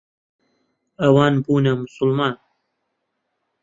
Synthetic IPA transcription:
ɐwɑːnbuːnɐmʊsʊlmɑːn

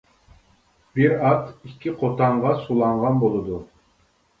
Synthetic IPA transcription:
biɾɑt̪ikʲʰːiqʰot̪ʰɑɴʁɑsulˠɑɴʁɑnbolˠɨd̪u

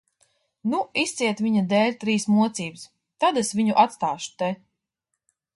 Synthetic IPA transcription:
nuist̪siɛt̪viɲad̪ɛːlʲt̪ɾiːsmuɔt̪siːbs | t̪ad̪esviɲuʔat̪st̪aːʃu̥t̪e

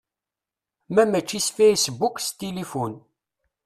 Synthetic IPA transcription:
mæmæt͡ʃːisfejsbukst̪ilifun

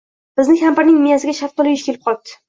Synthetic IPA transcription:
b̥ɪznɪkʲampaɾnɪŋmɪjasɪɡʲaʃaft̪ɒlɪjɪʃkʲʰe̞lɪp̚qɒlˠd̪ʰɪ̥

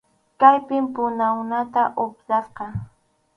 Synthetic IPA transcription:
kajpɪmpʊnawnat̪aʔopsɑsqɑ

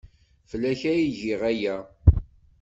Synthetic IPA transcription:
fəlːæçæjiʝiʁæjæ

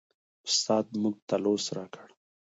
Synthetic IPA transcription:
ʊst̪ɑːd̪̚muɡ̚t̪alosɾɑkʰəɽ

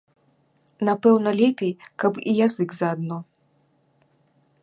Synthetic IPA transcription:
napɛwnɐlʲɛpʲejkɐpijazɨɡzɐad̪̚nɔ

